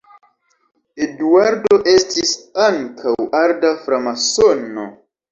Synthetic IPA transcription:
eduaɾdo̞ʔe̞stisaŋkʰawaɾdafɾamasono̰

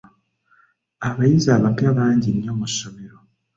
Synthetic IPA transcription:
aβajizaːβapjaβaːɲɟinjo̞musːo̞me̞ɾo̞

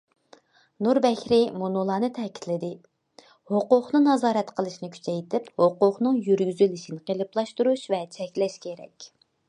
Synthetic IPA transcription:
nuɾbɛkʲɾɪmonolˠɑːnɨt̪ʰɛːkʲʰi̥t̪ʰlɪd̪ɪ | hoqʊχnɨnɑzɑːɾɛt̪qʰəlˠɨʃnɪkʲʰy̥t͡ʃʰɛjt̪ʰɪphoqʊχnɨŋjyɾɡʲyzylɪʃinɪqelˠɨplˠɑʃt̪uɾuʃvɛt͡ʃʰɛkʲlɛʃkʲʰeɾɛ̰kʲ

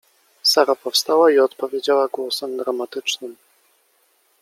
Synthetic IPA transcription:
saɾapɔfst̪awaiɔt̪pɔvʲjed͡ʑawaɡwɔsɛmd̪ɾamat̪ɘt͡ʂnɘm

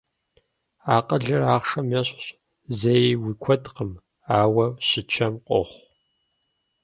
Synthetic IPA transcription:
aːqʼəɮɨraːχʂɐmjɐɕɕ | zejwikʷʰɔdqəm | aːwɐɕɪt͡ʃʰɐmqʷʼɔ̰χʷ

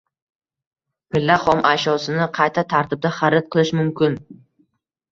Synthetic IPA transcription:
pʰɪlːaχɒmʔaʃɒsɪnɪqʰɑjt̪ʰat̪ʰaɾt̪ʰɪb̚d̪aχaɾɪt̪̚qʰɨlˠɪʃmʊmkʲɪn

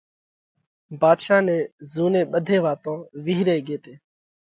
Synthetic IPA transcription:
baːd̪ʃaːnẽːzuːnẽːɓəd̪ʱeːʋaːt̪õːʋiːɾeːɠeːt̪eː

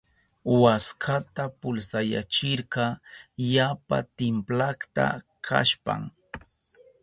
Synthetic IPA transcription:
waskʰat̪apʊlsaja̰t͡ʃɪɾɢɑjapa̰t̪ɪmplakt̪a̰ | kʰa̰ʃpa̰ŋ

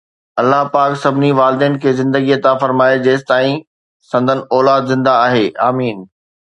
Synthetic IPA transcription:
ɐlːaɦpaːksɐbʱɪniʋaːld̪iənɪ̆kʰeːzɪ̃nd̪əɡijət̪ãfɐɾmaːed͡ʑeːst̪aːĩ | sɐ̃nd̪ʱənɪ̆ʔɔːlaːd̪zɪ̃nd̪aːɦeːʔaːmiːn

